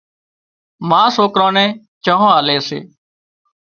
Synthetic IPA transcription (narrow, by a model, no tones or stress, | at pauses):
mãːsoːkɾõːnɛ̃ː | t͡ʃəɦõːaːleːsḛː